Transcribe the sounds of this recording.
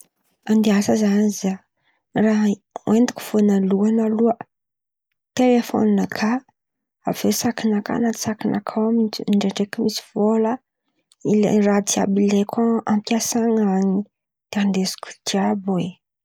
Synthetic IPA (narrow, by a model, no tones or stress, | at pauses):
and̪easəzaniza | raɦend̪i̥ku̥fonaluanaluə | t̪elefo̰ninəkʰa | avesakinaka̰nat̪i̥sakinʔa̰kʰawamiɳɖ͡ʐeɳɖ͡ʐekimisi̥v̥olə | ilḛrad̪ia̰bilekʰaampiasaŋaɲi | d̪̥eand̪esi̥ku̥t̪iabwe